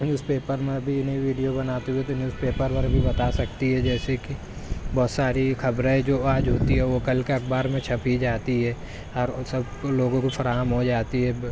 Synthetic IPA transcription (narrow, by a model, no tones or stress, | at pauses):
nuːspeːpəɾmẽɐbʱiɪniʋiːɖijobɐnaːt̪eɦuet̪onjuːspeːpəɾpɐɾbʱibɐt̪asɐkt̪iɦɛd͡ʒɛːseki | bɔːt̪saːɾikʰɐbɾẽẽd͡ʒoːaːd͡ʒɦoːt̪iɦɛʋokɐlkeɐk̚ʰbaːɾmẽt͡ʃʰɐpid͡ʒaːt̪iɦɛː | ɔːɾsɐb | loːɡõkofʰɐɾaːɦəmɦod͡ʒaːt̪iɦɛ